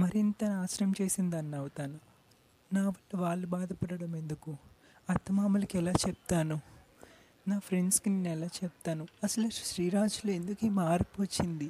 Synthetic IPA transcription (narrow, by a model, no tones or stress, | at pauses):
mɐɾint̪ɐnaːsɾɐmt͡ʃeːsind̪ɐnːɐwut̪aːnu | naːʋɐlːɐʋaːɭːubaːd̪ɐpɐɽɐɽɐme̞nd̪uku | ɐt̪ːɐmaːmɐlɐkɛlaːt͡ʃɛp̚t̪aːnu | naːpʰɾeɳɖskininɛlaːt͡ʃɛp̚t̪aːnuɐsɐluʃɾiːɾaːd͡ʒuloːend̪ukeːmaːɾpʋɐt͡ʃːind̪i